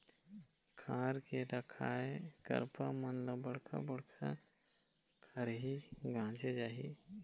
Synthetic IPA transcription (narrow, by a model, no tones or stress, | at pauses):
kʰãːɾkeɾəkʰaːekɐ̰ɾpamənləbəɽkʰa̰bɐɽkʰa̰ | kʰəɾɦiɡʱãːt͡ʃed͡ʒaːɦi